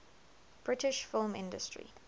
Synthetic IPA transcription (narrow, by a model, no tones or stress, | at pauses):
b̥ɹɪtɪʃfɪlˠmɪ̰̃ndəstɹḭ